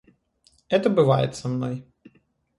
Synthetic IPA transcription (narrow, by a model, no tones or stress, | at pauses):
ɛt̪ɐbɨʋɑjɛ̰t̪sɐmnɔj